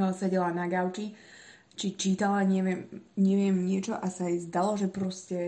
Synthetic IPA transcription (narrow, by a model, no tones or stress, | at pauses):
sɛɟɛlanaɡaʊt͡ʃi | t͡ʃit͡ʃiːt̪alaɲɛʋɪɛmɲɛʋɪɛmɲɪɛt͡ʃɔʔasaɛzd̪alɔʒɛpɾɔscɛ